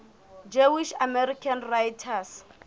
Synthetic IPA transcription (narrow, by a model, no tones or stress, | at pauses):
d͡ʒewiʃamɛɾikʰanrajtʰas